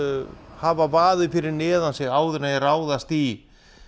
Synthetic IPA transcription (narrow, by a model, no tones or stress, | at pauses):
haːvavaːðɪfɪɾɪɾnɪːðansɛɣaːwðʏɾnajɛraːwðast̪i